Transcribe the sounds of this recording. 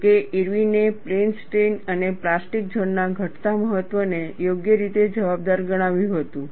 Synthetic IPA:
keʔiɾʋineplensʈenəneplasʈik̚d͡ʒʱənːaɡʱəʈt̪aməɦət̪ʋənejoɡjəɾit̪ed͡ʒəʋab̚d̪aɾɡəɽ̃aʋjũɦət̪ũ

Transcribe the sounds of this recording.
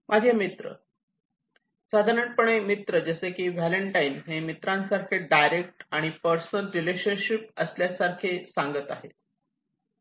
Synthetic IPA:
mʔad͡ʑʱjamit̪ɾə̰ | sad̪ʱaɾəɳʈ̚pəɳ̃emit̪ɾəd͡ʑəsekiːʋæləɳʈainɦemit̪ɾãnsaɾkʰeɖajɾek̚ʈaɽ̃ipəɾsənəlɾileɕənɕip̚əsljasaɾkʰesãŋɡət̪aɦet̪

